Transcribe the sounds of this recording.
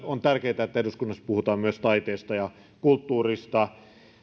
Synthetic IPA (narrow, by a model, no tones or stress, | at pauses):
ont̪ærkeit̪æet̪ːæeduskunːɑspuhut̪ɑːmmyøst̪ɑit̪eːst̪ɑjɑ | kult̪ːuːrist̪ɑ